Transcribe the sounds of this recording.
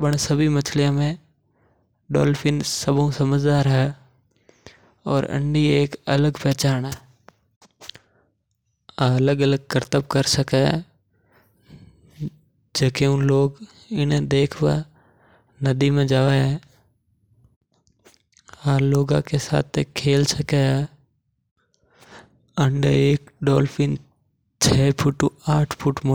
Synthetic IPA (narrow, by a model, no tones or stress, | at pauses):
bəɽsəbʱimɐt͡ʃʰlijãmẽ | ɖɔ̰ːlfʰɪ̃nsəbõsɐməd͡ʒd̪aːɾɦɛ | ɔ̰ːɾə̰̃ɳɖieːkə̰ləɡpɛːt͡ʃaːnɦɛː | aɐləɡələɡ̚kəɾt̪əb̚kəɾsəkɛ | d͡ʒeːkʰeũːloːɡ | ɪnd̪eːkʰba̰ | nɐd̪imẽd͡ʒaːʋɛɛ | aːloːɡã̰kesa̰ːt̪ʰekʰeːlsəkɛ | əɳɖeːkɖɔːlfĩn | t͡ʃʰɛːpʰʊʈːuaːʈʰpʰʊʈmo